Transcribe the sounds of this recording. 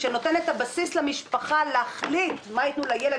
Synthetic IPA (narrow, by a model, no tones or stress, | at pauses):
ʃeno̞t̪e̞net̪abasislemiʃpaχaleaχlit̪mait̪nulajele